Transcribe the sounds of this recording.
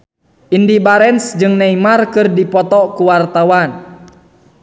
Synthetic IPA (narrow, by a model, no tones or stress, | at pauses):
ʔindibaɾɛnsd͡ʒɨŋnaimarkɨrdipɔt̪ɔkuwart̪awan